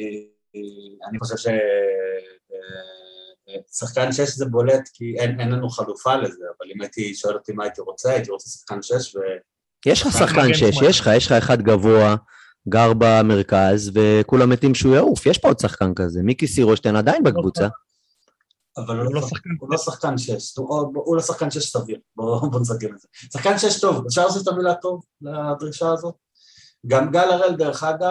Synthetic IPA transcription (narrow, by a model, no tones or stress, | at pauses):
aniχoʃ̬ev̥ʃe | ve | vesaχkanʃeʃzebo̞let̪kienenlanuχalufalezeavalimait̪iʃo̞elot̪imaːit̪iʁot͡saait̪iʁot͡sesḁχkanʃeʃve | jeʃχasaχkanʃeʃjeʃχajeʃχaeχad̪ɡavo̞a | ɡaʁbame̞ʁkazve̞kulamet̪imʃeujaufjeʃpood̪saχkankaze̞mikisiʁoʃt̪enad̪ainbekvut͡sa | avaluloloulosaχkanʃeʃtooboʔulosaχkanʃejɛʃsaviʁbobomesakimelzesaχkanʃejeʃt̪o̞vef̬ʃaʁlas̬ift̪amilat̪o̞v | lead̪ʁiʃaːzo̞t̪̚ | ɡamɡalaʁeld̪eʁeχad̪a